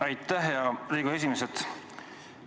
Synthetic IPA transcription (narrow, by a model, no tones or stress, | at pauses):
ɑjt̪ːˑæɦjɑriːɡue̞s̬ʲimeset̪